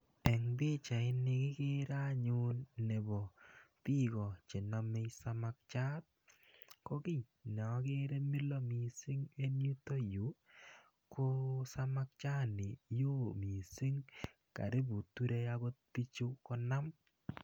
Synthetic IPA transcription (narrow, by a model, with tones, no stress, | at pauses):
ɛ˨ŋbɪ˦t͡ʃa˨ɪ˦nɪ˧kɪ˦kɪ˦ɾa˦ɲʊ˦nːɛ˨bɔ˨pi˦kɔ˨t͡ʃe˨na˦me˦sa˦ma˦k̚t͡ʃa˦t̚ | kɔ˦ki˦ | na˨˦ke˦ɾe˦mi˦lo˦mi˨sɪ˦ŋe˦nu˦to˦ju˨˦ | ko˦sa˦ma˦k̚t͡ʃa˦nɪ˨jo˦mi˨si˦ŋ | ka̰˨ɾɪ˦bu˨tu˦ɾe˦a˦ɡo˦t̚pi˦t͡ʃu˦kɔ˦na˦m